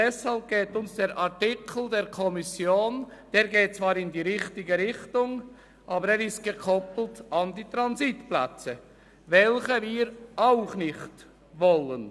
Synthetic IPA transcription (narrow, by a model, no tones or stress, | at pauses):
dɛshɑlp̚ɡ̥eːtʊnsd̥eːɾʔaʁtɪkʰl̩deːɾkʰɔmɪsjoːnd̥eːɾɡeːt̚t͡sv̥ɑːɾɪndiːʁɪχtɪɡəɾɪχtʊŋ | ʔɑːbəɾeːɾɪst̚ɡ̥əkʰɔpl̩ˠtɑndiːtɾɑnzitplɛ̰t͡sə | vɛlçəviːɾʔaʊχnɪχt | vɔlən